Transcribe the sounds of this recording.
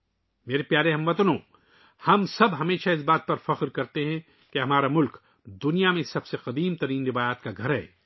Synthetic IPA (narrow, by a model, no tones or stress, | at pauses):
meːɾepjaːɾeɦɐmʋɐt̪nõː | hɐmsɐbɦɐmeːʃaɪs̬baːt̪̚pɐɾfɐqɾkɐɾt̪eɦɛ̃ | keɦɐmaːɾamʊlk | d̪ʊnijamẽsɐbseqɐd̪iːmt̪ɐɾiːnɾɪʋaːjaːt̪̚kaɡʱɐɾɦɛ̰ː